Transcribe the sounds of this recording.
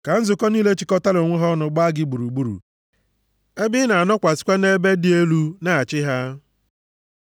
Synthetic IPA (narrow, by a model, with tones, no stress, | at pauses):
ka˨n̩˦zʊ˨kɔ˦niː˦le˦t͡ʃɪ˨kɔ˦ta˦lo˨ŋʷʊ˦ɦɔ˦nʊ˨ɡ͡ba˦a˦ɡɪ˦ɡ͡bu˨ɾu˨ɡ͡bu˦ɾṵ˨ | e˦bɪ˦na˨a˨nɔ˦kʷa˨sɪ̥˦kʷa˦ne˦be˦dɪ˦e˦lu˦na˨a˨t͡ʃɪ˦ɦa˦